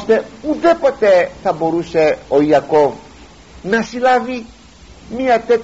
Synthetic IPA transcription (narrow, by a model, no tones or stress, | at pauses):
st̪eud̪epot̪et̪aboɾuseojakov | nasilavi | miat̪ek